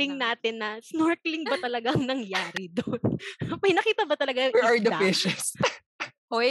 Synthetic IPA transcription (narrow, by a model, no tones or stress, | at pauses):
ɪŋnaːt̪ɪnːɐsnoɹklɪŋbɐt̪ɐlɐɡaɐŋnɐŋjaːɾɪd̪onmɐjnɐkiːt̪ɐbɐt̪ɐlɐɡajʊŋɐɹd̪ɐfɪʃɐs | ʔo